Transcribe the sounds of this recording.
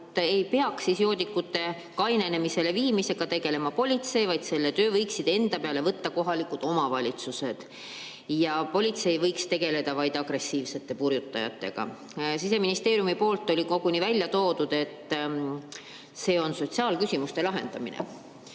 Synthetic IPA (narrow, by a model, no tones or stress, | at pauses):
e̞jpeɑksisjo̞ːd̪ikːˑut̪ːe̞ | kɑjne̞nemise̞le̞viːmise̞ɡ̥ɑt̪e̞ɡ̥e̞le̞mɑpo̞lʲit̪se̞jvɑjd̪̥se̞lːe̞t̪øːvɤjksid̪̥e̞nd̪̥ɑpeɑle̞vɤt̪ːɑko̞ɦɑlikud̪̥o̞mɑvɑlʲit̪suse̞d̪̥ | jɑpo̞lʲit̪se̞jvɤ̞jkst̪e̞ɡe̞le̞d̪̥ɑvɑjd̪̥ɑɡ̥re̞sːiːvse̞t̪ːe̞puɾjut̪ːˑɑjɑ̰t̪ːe̞̰ɡ̥ɑ̰ | sise̞minist̪e̞ːɾijumipo̞ːlt̪ːˑo̞lʲiko̞ɡ̥univælʲjɑt̪o̞ːd̪ud̪̥e̞t̪ː | se̞ːo̞nso̞t̪siɑːlkysʲimust̪e̞lɑɦe̞̰nd̪̥ɑminḛ